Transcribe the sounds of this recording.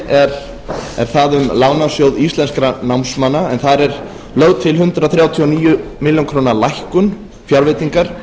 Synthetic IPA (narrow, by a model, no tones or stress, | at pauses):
ɛɾ | ɛ̰ɾ̥θaðʏmlaːɣnasjowðist̪lɛnskɾanawmsmanːaɛnθaɾɛɾ̥ | lœɣðt̪ʰɪlɦʏnt̪ɾaθɾjaːwt̪ʰiɔniːjʏmɪljonkʰɾoːnalajhkʏn | fjaɾvɪt̪iŋkaɾ̥